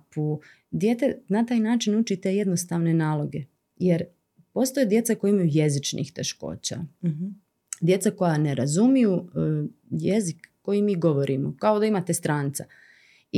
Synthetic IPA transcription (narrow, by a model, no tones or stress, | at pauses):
pu | d̪jeːt̪e̞nat̪aːjnaːt͡ʃinut͡ʃit̪eje̞d̪nost̪aʋne̞naːlˠo̞ɡe | jeɾ | po̞st̪ojed̪je̞t̪sakojimajuje̞zit͡ʃnḭːxt̪e̞ʃko̞̰ːt͡ɕa̰ | d̪je̞t̪sako̞janeɾazumiju | jezikːo̞jimiːɡo̞ʋo̞ɾʔimokao̞d̪aimaːt̪e̞st̪ɾaːnt̪sa